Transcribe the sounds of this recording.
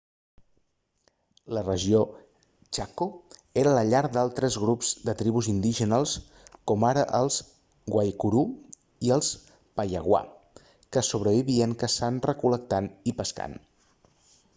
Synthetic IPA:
lərəʒio | t͡ʃakoeɾələʎaɾd̪alˠt̪ɾəzɣɾupz̥d̪ət̪ɾiβuzind̪iʒənalˠs | kɔmaɾəʔəlˠz | ɣwajkuɾu | iəlˠs | pəjə̰ɣwa̰ | kəsuβɾəβiβiəŋkəsanrəkulək̚t̪anipəska̰n

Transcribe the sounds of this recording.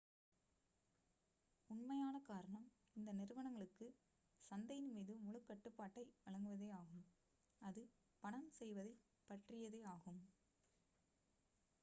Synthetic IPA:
ʊɳmɐjaːnɐkaːɾɐɳɐm | ɪnd̪ɐnɪɾɯʋɐɳɐŋɡɐɭɯkːɯ | sɐnd̪ɐjɪnmiːðɯmʊɭɯkːɐʈːɯpːaːʈːɐɪʋɐɭɐŋɡɯʋɐðeːaːɣɯm | ɐðɯ | pɐɳɐmsɛjʋɐðɐɪ | pːɐʈrɪjɐðeːaːɣɯm

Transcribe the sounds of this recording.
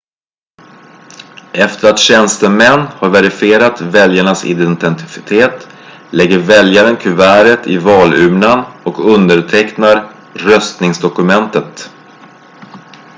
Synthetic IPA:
ʔɛft̪əɾat̪ɕɛnst̪əmɛnːhaɾvɛɾɪfɪeːɾat̪vɛljaɳasɪ̰d̪ɛnt̪ɛnt̪ɪt̪ʰeːt̪ | lɛɡːəɾvɛljaɾənkʰɵvæːɾət̪ʰɪvɑːlʉːmnanɔkɵnd̪əɾʈʰɛknaɾ | ɾœst̪nɪŋsd̪ɔkɵmɛnt̪ət̪

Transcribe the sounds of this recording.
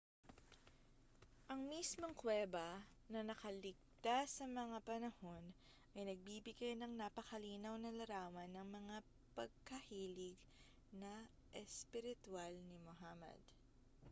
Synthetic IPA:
ʔɐŋmismo̞ŋkwɛːbɐ | nɐnɐkɐlɪɡ̚t̪asːɐmɐŋapɐnɐho̞n | ʔɐjnɐɡ̚biːbɪɡajnɐŋnapɐkɐliːnɐwnɐlɐɾaːwɐnːɐŋmɐŋa | pɐɡ̚kɐhiːlɪɡ | nɐ | ʔɛspɪɾɪt̪ʊalnimohamɛ̰d̪

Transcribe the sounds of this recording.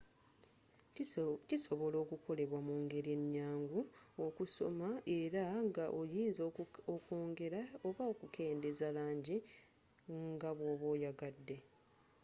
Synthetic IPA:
ciso̞βo̞lo̞ːkukʰo̞le̞βwamuːŋɡe̞ɾie̞ɲːaːŋɡuokuso̞̰mae̞ɾaŋɡaʔojiːnzokoːŋɡe̞ɾaoβaokukʰe̞ːnde̞zalaːɲɟi | ŋɡaβwoβwoːjaɡadːe̞

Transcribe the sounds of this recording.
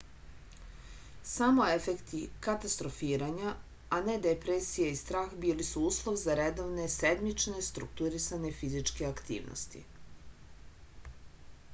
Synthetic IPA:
samo̞efekt̪ikat̪ast̪ɾo̞fiːɾaɲa | ane̞d̪epɾesijeist̪ɾaːxbiːlisuuːslˠo̞ʋzaɾed̪o̞ʋne̞sed̪mit͡ʃne̞st̪ɾuk̚t̪uɾisaɲe̞fizit͡ʃke̞akt̪ḭːʋnʔo̰st̪ḭ

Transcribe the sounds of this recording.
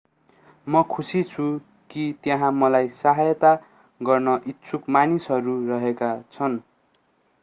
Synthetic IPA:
mʌkʰusit͡sʰu | kit̪jʌ̃ɦãmʌlajsaɦajʌt̪a | ɡʌrnʌʔitːsʰukmanisɦʌɾurʌɦekat͡sʰʌn

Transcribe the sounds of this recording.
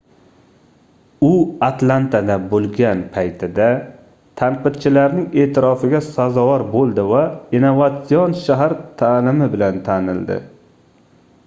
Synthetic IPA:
ʊat̪lˠant̪ʰad̪abolˠɡʲanpʰajt̪ʰɪd̪a | t̪ʰaɴqɨd̪̚t͡ʃʰɪlaɾnɪŋe̞ːt̪ʰɪɾɒfɪɡʲasazɒvɒɾbolˠd̪ɪvainovat̪sijonʃaɦaɾt̪ʰalɪmɪbɪlant̪ʰanɪ̰ld̪ɪ̰

